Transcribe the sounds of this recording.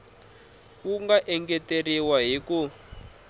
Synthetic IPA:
wuŋɡaʔɛŋɡɛteriwaɦiku

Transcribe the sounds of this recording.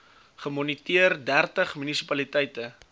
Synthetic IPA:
χəmɔnitiərdærtəχmynisipɐlitɛjtə

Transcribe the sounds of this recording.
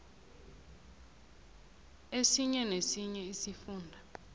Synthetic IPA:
esiɲɛnesiɲɛisifuːndʱa

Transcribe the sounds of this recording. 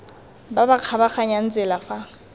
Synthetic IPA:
babaq͡χʰabaχaɲan̩t͡sʼɪlafa

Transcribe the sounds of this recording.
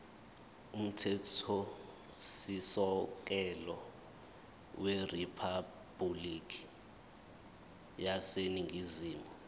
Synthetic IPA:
um̩tʰɛtʰɔ | sisɔk̬ɛlɔ | weripʰa | b̥ulikʰi̥ | jaseniŋʱiziːmbʱɔ

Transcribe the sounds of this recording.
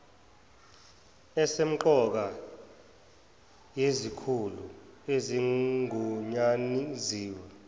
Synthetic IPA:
ɛsem̩ǃɔk̬a | jezikʰulueziŋuɲaniziːwɛ

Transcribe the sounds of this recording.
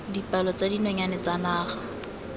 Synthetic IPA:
dipalɔt͡sadinɔɲanɛt͡sanaːχa

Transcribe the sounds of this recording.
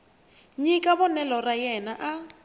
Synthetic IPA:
ɲikʼabɔnɛlɔrajɛnaʔa

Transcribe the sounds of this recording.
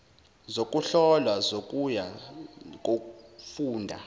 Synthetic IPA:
zok̬ʼuɬɔlwazok̬ʼuja | k̬ʼokʼufuːndʱa

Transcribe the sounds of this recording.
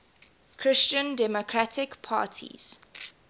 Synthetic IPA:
kʰɹɪst͡ʃə̃ndɛmokʰɹatʰɪkpʰa̰ːtʰḭz̥

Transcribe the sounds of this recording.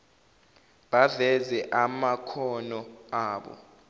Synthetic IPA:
ɓavɛzɛʔamakʰɔnɔaːɓɔ̰

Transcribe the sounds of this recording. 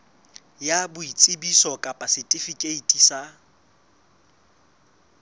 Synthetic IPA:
jabʊit͡sʼɪbisɔkʼapʼasɪtʼɪfikʼeitʼisa

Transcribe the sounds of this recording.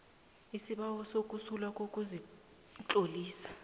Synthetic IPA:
isiɓawɔsokʼusulakʼokʼuzi | t͡ɬʼoliːsḁ

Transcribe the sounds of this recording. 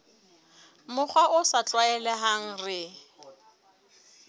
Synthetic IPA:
mʊk͡xʰwaʔʊsat͡ɬʼwaɛlɛɦaŋ̩rɪ

